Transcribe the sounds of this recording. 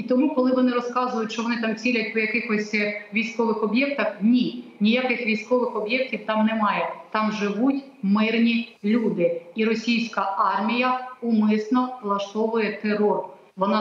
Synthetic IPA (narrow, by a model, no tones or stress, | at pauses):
it̪ɔmukɔlˠɪʋɔnɪɾɔskɑzʊjʊtʲʃt͡ʃɔʋɔnɪt̪ɑmt͡sʲilʲɐt̚ʲɔjɐkɪxɔsʲʋʲijsʲkɔʋɪxɔbʲjɛk̚t̪ɐxnʲinʲijakɪxʋʲijsʲkɔʋɪxɔbjɛk̚tʲiwt̪ɑmnɛmɑjɛt̪ɑmʒɪʋutʲ | mɪrnʲilʲud̪ɪiɾɔsʲijsʲkɐʔɑrmʲijɐumɪsnɔlˠɐʃt̪ɔʋʊjɛt̪eɾɔr | ʋɔnɑ